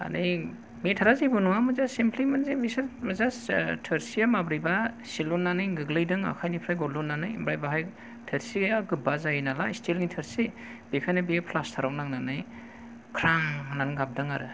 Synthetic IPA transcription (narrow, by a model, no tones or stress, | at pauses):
a̰nij | metʰaɾazijbɯnuŋamɯzasempʰlimenzebisamazastʰəɾsijamabɾibasilunːanɯjɡɯɡlɯjdɯŋa̰kʰajnipʰɾajɡɔlunːanɯjḭmbɾajbaɦaj | tʰɯɾsiaɡɯbazajinalaistelŋitʰəɾsi | b̥ikʰajnabijapʰlastʰaɾawnaŋnanɯj | kʰɾaŋnanɡap̚dɯŋaɾɯ